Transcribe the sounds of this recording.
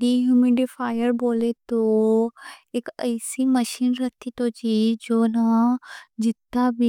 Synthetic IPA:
ɖiɦumiɖifʰaːjəɾboːlet̪o | ɪkəːsiməʃiːnɾɐt̪ʰit̪oːd͡ʒid͡ʒoːna | d͡ʒɪt̪ːabi

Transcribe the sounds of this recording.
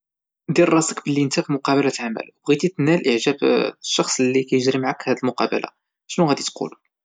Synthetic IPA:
d̪iɾrˤːɑsəkbəlːiənt̪æfimʊqɑbælat̪ʕamə̰lwbɣit̪it̪ənːælʔəʕʒæbʃːɑxsˤlːikæjəʒɾimʕakhæd̪əlmʊqɑ̰bə̰lʔa̰ | ʃnuɣæd̪it̪qṵlu

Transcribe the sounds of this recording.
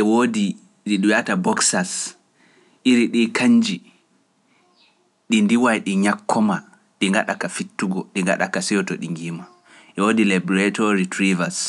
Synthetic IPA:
ʔɛwodi | ɗiɗujatabɔksas | ʔiɾiɗikaɲd͡ʒi | ɗindiwajɗiɲakːɔma | ɗiŋɡaɗakafitːuɡɔɗiŋɡa̰ɗa̰kasɛjɔtɔɗiŋɡiːma | ʔɛwoːdilabɾatɔɾitɾivas

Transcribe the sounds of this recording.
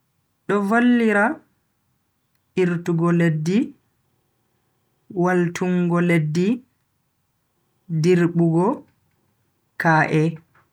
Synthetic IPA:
ɗɔvalːiɾa | ʔiɾtuɡɔledːi | waltuŋɡɔledːi | diɾɓuɡɔ | kaːʔɛ

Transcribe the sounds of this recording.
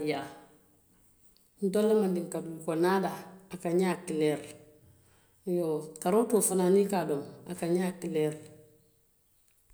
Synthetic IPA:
ja | ntolːemandiŋkadukonadaakaɲakileɾ | jokaɾotofananikadoma̰kaɲakileɾ

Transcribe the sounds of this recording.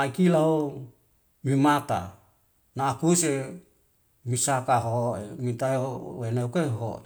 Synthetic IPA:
aikilao | mimat̪a̰ | naːkuse | misakaɦoḛmit̪aoweneukeɦo̰e

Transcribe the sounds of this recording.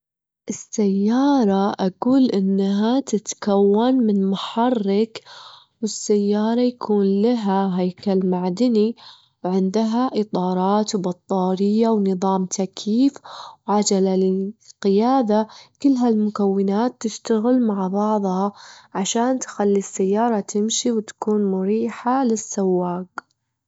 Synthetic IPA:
ʔɪsːajːɑːɾˤɑʔaɡuːlʔɪnːat̪ɪt̪kawːanmɪnmaħɑrːɑk | wɪsːajːɑːɾˤɑjakʰuːnlaɦaɦajkalmaʕd̪ɪni | ʕɪnd̪ɦaʔɨt̪ˤɑːɾˤɑːt̪wbɑt̪ˤːɑːɾɪjːawnɨðˤɑːmt̪ʰakjiːfwʕad͡ʒalalɪqɪjaːd̪akɪlːɦalmʊkawːɪnaːt̪ːɪʃt̪aɣɪlmaʕbɑʕðˤhɑʕaʃaːnt̪xalːisːajːɑːɾˤɑt̪ɪmʃiwt̪kuːnmʊɾiːħalɪsːawːaːɡ

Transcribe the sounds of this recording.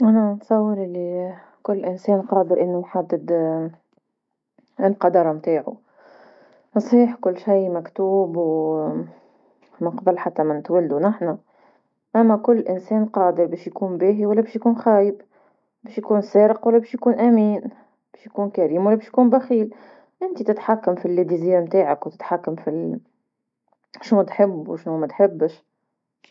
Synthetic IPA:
ʔænænsˤɑwːəɾʔɪlːi | kʊlːʔɪnsɛːnqɑːd̪əɾʔɪnːujħad̪ːɪd̪ | ɪlqɑd̪ɑɾˤɑmt̪aːʕṵ | nɑsˤħiːħkʊlːʃajmækt̪uːbw | mɑqbɪlːħat̪ːæmænɪt̪wald̪unɪħna | ʔæmːækʊlːʔɪnsɛːnqɑːd̪ɪɾbɛːʃjkuːnbiːɦiwælːæbɛːʃjkuːnxæːjɪb | bɛːʃjkuːnseːɾɪqwælːæbɛːʃjkuːnʔæmiːn | b̥ɛːʃjkuːnkæɾiːmwælːæbɛːʃjkuːnbæxiːl | ʔɪnt̪it̪ɪt̪ħakːamfilːæd̪izɪjːamt̪aːʕakwt̪ɪ̥t̪ħakːamfi | ʃnut̪ħɪbːwʃnumæt̪ħɪbːəʃ

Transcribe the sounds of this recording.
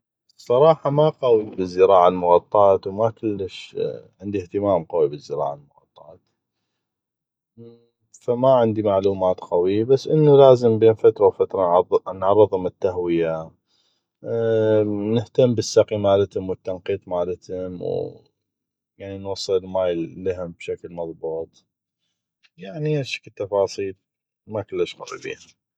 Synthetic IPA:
sˤɑɾˤɑːħɑmaqawibəzːəɾaːʕalmʊɣɑt̪ˤːɑːt̪wmakʊlːəʃʕɪnd̪iht̪əmaːmqawibəzːəɾa̰ːʕalmʊɣɑ̰t̪ˤːɑːt̪ | famaʕɪnd̪imaʕluːmaːt̪qawibasːʔɪnːulaːzəmbeːnfat̪ɾˤawfat̪ɾˤɑnʕɑrˤːɨðˤhʊmɪt̪ːahwɪja | nɪht̪amːbəsːɑqimaːlt̪hʊmwɪt̪ːɑnqiːt̪ˤmaːlət̪hʊmw | jaʕninwɑsˤːɨlmaːjːaɦʊmbʃaklmɑðˤbuːt̪ˤ | jaʕniaʃḁkət̪ːɑfɑːsˤiːl | makʊlːaʃɣɑ̰ɾˤḭbḭːhn

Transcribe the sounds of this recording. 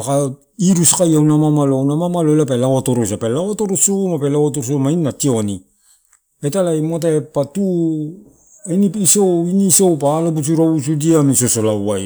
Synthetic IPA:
aka | iɾuskajawnamamaloawnamamaloelap̬elaotoɾosapelaoto̞ɾosumapelaotoɾosomainːationi | etalajmot̬aepatu | enipisoiniso̞wpaːlobut͡ʃ̬uɾausudiamisosolawaj

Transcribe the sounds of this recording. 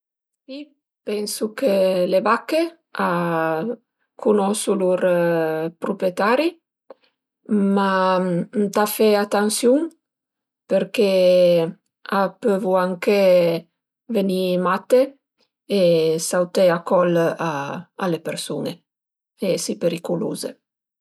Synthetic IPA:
si | pɛnsukelevakːe | a | kʰunɔsuluɾ | pɾupet̪aɾi | ma | nt̪afeat̪ansjuŋ | peɾke | apøvuaŋke | venimat̪e | esawt̪eakɔlaa̰lepeɾsuːnḛ | esipeɾikulṵːzḛ

